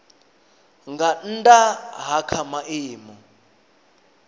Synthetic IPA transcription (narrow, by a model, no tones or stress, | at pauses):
ŋɡan̩tʼaɦakʰamaʔiːmɔ